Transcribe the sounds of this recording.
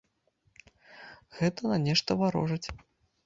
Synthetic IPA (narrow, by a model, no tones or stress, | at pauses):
ɣɛt̪ɐnɐnʲɛʂt̪ɐvaɾɔ̰ʐɐt͡sʲ